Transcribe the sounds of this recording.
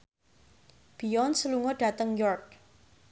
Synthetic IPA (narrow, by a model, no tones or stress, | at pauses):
b̥iɔnsəluŋɔɖ̥a̤t̪əŋjɔrk̚